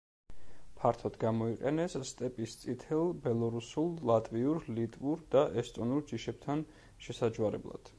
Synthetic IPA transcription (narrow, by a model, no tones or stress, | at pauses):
pʰaɾt̪ʰɔd̪̥ɡamɔiqʼɛnɛsːt̪ʼɛpʼist̪sʼit̪ʰɛlˠbɛlˠɔɾusulˠlˠat̪ʼviuɾlit̪ʼvuɾd̪̥aʔɛst̪ʼɔnuɾd͡ʒiʃɛb̥̚t̪ʰan | ʃɛsad͡ʒuaɾɛ̰blˠa̰d̪̥